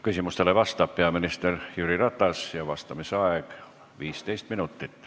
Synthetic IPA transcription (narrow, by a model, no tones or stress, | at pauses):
kysimust̪eloʋɑst̪ˑɑːppeɑminist̪erjyːrirɑt̪ːˑɑsjɑʋɑst̪ɑmisɑek | ʋiːst̪eist̪minut̪ːit̪ː